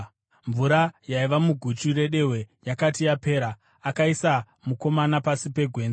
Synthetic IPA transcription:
ɱvuɾajaiʋamuɡʱut͡ʃure̞ɗe̞we̞jakatijape̞ːɾaː | kaisa | muko̞manapasipe̞ɡʱwe̞ːnd͡za

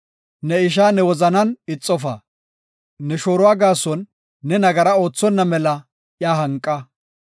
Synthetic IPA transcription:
nɛɪʃ̬aːnɛwɔzɐnɐnɪt͡sʼːɔfa̰ː | nɛʃoːɾʊwaːɡaːsɔnː | ɛnɐɡɐɾɐo̞ːt͡sːɔnːɐmɛlɐ | ʔjaːɦɐŋkʼːɐ

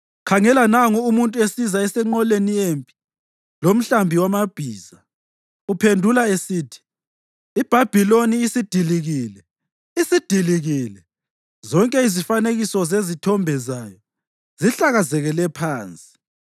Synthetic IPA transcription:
kʰaŋɛlanaŋuumuntʼuesizaɛsɛŋ͡ǃɔleniempʼi̥ | lom̩ɬambʱiwamab̥ʱiːz̥a | upʰendʱulaesiːtʰi̥ | ib̥ʱab̥ʱiloniːsid̥ʱiliɣiːlɛ | isid̥ʱiliɣilɛ | zɔŋkʼɛizifaneɣisɔzezitʰɔmbʱɛzajɔ | ziɬaɣazɛɣɛlɛpʰaːnt͡sʼi̥

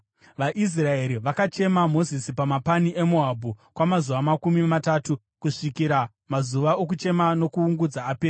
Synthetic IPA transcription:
ʋaʔis̬rae̞ɾiʋakat͡ʃe̞mamo̞zisipamapaniʔe̞moɦabʱukwamazuʋamakumimataːtu | kuʂikiɾa | mazuʋaok̬ut͡ʃe̞mano̞kuːŋɡud͡zaːpeːra

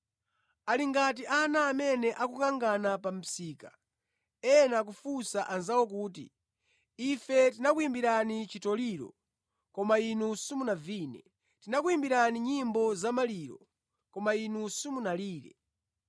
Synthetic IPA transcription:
aliŋɡat̬iʔanaːmɛnɛʔakukaŋɡanapam̩siːka | ɛnak̬ufusaʔanzawɔk̬uːt̬ḭ | ifɛtinakuimbiɾanit͡ʃitɔliɾɔ̰ | kɔmainusumunaviːnɛ | tinakuimbiɾaniɲimbɔzamaliːɾɔ̰ | kɔmainusumunaliːɾɛ̰

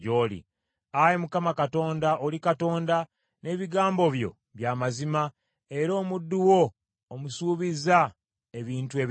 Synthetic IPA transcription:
oːlḭ | ajemukamakato̞ːndaʔolikato̞ːnda | ne̞ːβiɡaːmbo̞βjo̞̰ | βjaːmazima | e̞ɾo̞ːmudːuwo̞ː | musuːβiza | e̞βiːntue̞ːβ

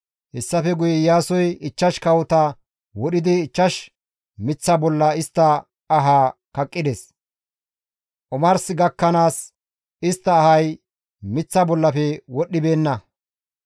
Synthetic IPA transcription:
hɛsːɐfɛɡʊjɛjaːsɔjɪt͡ʃːɐʃkɐwɔt̪ɐ | wɔɗɪd̪ɪːt͡ʃːɐʃ | mɪt͡sːɐbɔlːɐɪst̪ːɐː | ɦaːkɐkʼːɪd̪ɛs | ʔɔmɐɾsɪɡɐkːɐnaːs | ɪst̪ːɐːhɐj | mɪt͡sːɐbɔlːɐfɛwɔɗːɪbe̞ːnːɐ

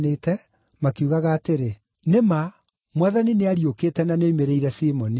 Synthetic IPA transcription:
neːtɛ | makiuɣaɣaːteɾe | nema | mwaðanineaɾiokeːtɛnaneimeɾɛiɾɛsimɔni

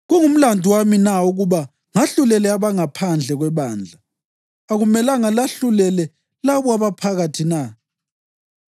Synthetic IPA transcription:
ɣuŋum̩landʱuwaminauɣuβa | ŋaɬulɛlɛaβaŋapʰand͡ɮʱɛɣwɛβaːnd͡ɮʱaː | ɣumɛlaŋalaɬulɛlɛ | laβɔaβapʰaɣatʰina

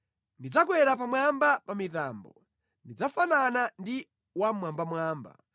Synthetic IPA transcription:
ndid͡zak̬wɛɾap̬amwambapamita̰ːmbɔ | ndid͡zafananandi | wamwambamwaːmba̰

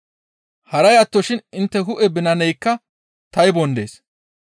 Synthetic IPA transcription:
hɐɾɐjɐt̪ːɔʃɪnɪnt̪ːɛɦʊʔɛbɪnɐnɛjkːɐ | t̪ɐjbɔnd̪e̞̰ːs

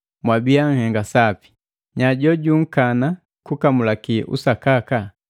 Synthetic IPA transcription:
mwabiaŋ̩hɛŋɡasapi̥ | ɲaɟɔɟuŋ̩kana | kukamulakiʔṵsakaka

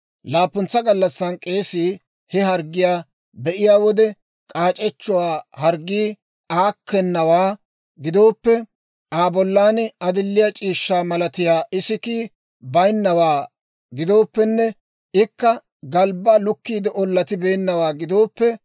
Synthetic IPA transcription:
laːpːʊnt͡sːɐɡɐlːɐsːɐnkʼeːsiː | hɛɦɐɾɡɪjaː | bɛʔɪjaːwɔd̪ɛ | kʼaːt͡ʃʼɛt͡ʃːʊwaːhɐɾɡiː | aːkːɛnːɐwaː | ɡɪd̪o̞ːpːɛ | ʔaːbɔlːaːnɪɐd̪ɪlːɪjat͡ʃʼiːʃːaːmɐlɐt̪ɪjaːʔɪsɪk̪iː | bɐjnːɐwaː | ɡɪd̪o̞ːpːɛnːɛ | ɪkːɐ | ɡɐlbɐlʊkːiːd̪ɪʔɔlːɐt̪ɪbeːnːɐwaːɡɪd̪o̞ːpːɛ

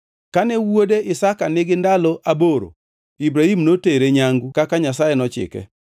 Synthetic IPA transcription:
kanɛwodeʔɪsakanɪɡɪndalɔʔaboɾo̰ | ibɾahimnoteɾeɲaŋɡukakaɲasajenɔt͡ʃɪ̰kɛ̰

